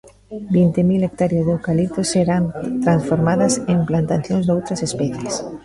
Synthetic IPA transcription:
bint̪emilek̚t̪aɾjazðewkalit̪oseɾant̪ɾansfoɾmaðɐsemplant̪aθjõnzðowt̪ɾɐsespɛθjes

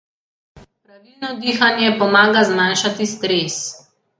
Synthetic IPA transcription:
pɾaʋilnɔd̪iːxanjɛpɔmaːɡazmaːnʃat̪ist̪ɾeːs

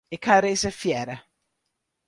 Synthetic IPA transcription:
ɪkʰaɾeːsəfjɛːɾə

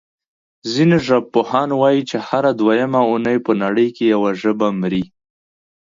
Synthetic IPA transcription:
zineʒab̚pʊhɑnwɑjit͡ʃehaɾad̪wajamaunəjpənaɽəjkejawaʒəbamɾi

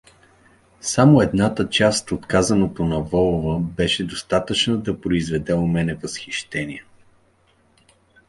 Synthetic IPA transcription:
samoɛd̪nat̪ət͡ʃast̪ot̪kazɐnot̪onɐvɔlˠʊvəbɛʃɛd̪ost̪at̪ət͡ʃnəd̪ɐpɾoizvɛd̪ɛʊmɛnɛvəsxiʃt̪ɛniɛ

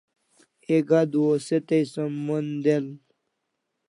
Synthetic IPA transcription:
eɡad̪woset̪ejsomːund̪el

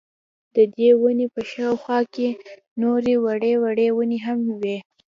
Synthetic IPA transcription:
d̪əd̪ewənepəʃɑwxwɑke | noɾewaɽewaɽewəneɦamwe

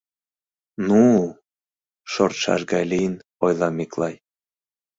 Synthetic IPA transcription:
nu | ʃort̪ʃɑ̰ʃɡɑjlijn | ojlˠɑmeklɑj

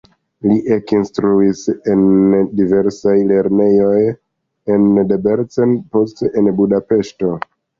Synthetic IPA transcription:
liʔekinstɾuise̞ndive̞ɾsajle̞ɾne̞jo̞j | e̞ndebeɾt͡senpo̞steʔenbudape̞ʃto̞

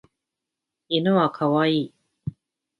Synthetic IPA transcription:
inoβakʰaβaiː

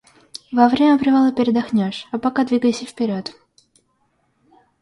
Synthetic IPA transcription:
vɐvɾʲemʲəpɾʲɪvalˠəpʲɪɾʲɪd̪ɐxnʲoʂɐpɐkad̪vʲiɡəjɪsʲəfpʲɪɾʲot̪

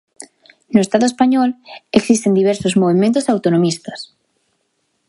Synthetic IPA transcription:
nʊest̪aðoespaɲɔleksist̪end̪iβɛɾsozmoβemẽnt̪ʊsawt̪onomist̪ɐ̥s

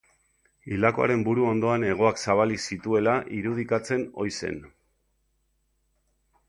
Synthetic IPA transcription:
ilako̞a̰ɾe̞mbuɾuo̞nd̪o̞ane̞ɣ̞o̞aksaβalisit̪ue̞laʔiɾuð̞ikat͡se̞no̞̰jse̞̰n

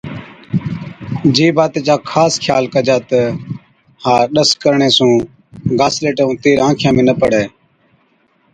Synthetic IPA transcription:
d͡ʒeːbaːt̪eːt͡ʃaːkʰaːskʰjaːlkəd͡ʒaːt̪ə | haːɾɗəskəɾɳeːsũː | ɡaːsleːʈəũːt̪eːɾãːkʰjãːmẽːnəpəɽɛː

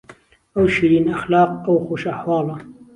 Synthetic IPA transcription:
ʔawʃiɾiːnʔaxlɑːq̚ʔawxuːʃʔaħwɑːlɑ

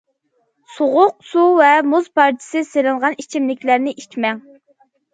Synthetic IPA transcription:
soʁʊq̚suvɛmuzpʰɑɾt͡ʃʰɪ̥sɨselɪŋʁɑnit͡ʃʰimlɪkʲlæɾnɪʔit͡ʃmɛŋ

